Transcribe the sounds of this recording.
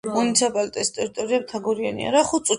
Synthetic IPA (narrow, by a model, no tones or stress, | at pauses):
unit̪sʰipʼalit̪ʼɛst̪ʼɛɾit̪ʼɔɾiab̚t̪ʰaɡɔɾianḭa̰ɾaχut̪sʼu